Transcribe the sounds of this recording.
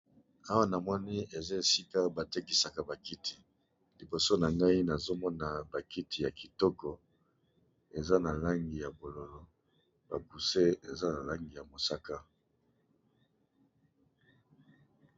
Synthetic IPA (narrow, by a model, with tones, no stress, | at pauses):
a˦wa˦na˨mɔ˦ni˦e˨za˦e˨si˦ka˦ba˨te˦ki˨sa˨ka˨ba˨ki˦tʰi˨ | li˨bo˨so˦na˨ŋɡa˦i˦na˨zo˦mɔ˦na˨ba˨ki˦tʰi˨ja˨ki˨tɔ˦kɔ˨ | e˨za˦na˨la˦ŋɡi˨ja˨bo˨lo˨lɔ˦ | b̥a˨ku˨se˦e˨za˦na˨la˦ŋɡi˨ja˨mo˨sa˦ka˦